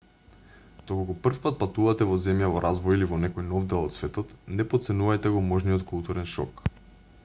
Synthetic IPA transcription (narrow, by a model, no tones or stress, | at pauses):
d̪̥okokɔpr̩fpat̪̚pat̪uvat̪ɛvɔzɛmjavɔɾʔazvɔjilivɔnɛkɔjnɔvd̪ɛlˠɔt̪svɛt̪ɔt̪nɛpɔt̪sɛnuvajt̪ɛɡɔmɔʒnijɔt̪kulˠt̪uɾɛnʃɔ̰k